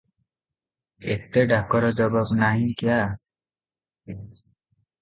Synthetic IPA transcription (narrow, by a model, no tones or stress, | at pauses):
et̪eɖʱakɔɾɔd͡ʒɔbɔbnaɦĩkija